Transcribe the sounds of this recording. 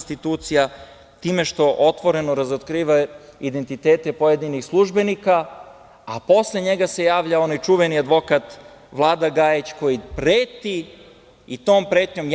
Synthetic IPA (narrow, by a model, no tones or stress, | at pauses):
st̪it̪uːt̪sija | t̪iːme̞ʃt̪o̞ʔo̞t̪ʋo̞ɾe̞noɾazot̪kɾiːʋaid̪e̞nt̪it̪e̞ːt̪e̞po̞jed̪inixslˠuʒbe̞nikaː | po̞sleɲe̞ɡase̞jaːʋʎao̞najt͡ʃuʋe̞niad̪ʋo̞kat̪ | ʋlˠaːd̪aɡajet͡ɕko̞jipɾeːt̪i | it̪o̞ːmpɾeːt̪ɲo̞m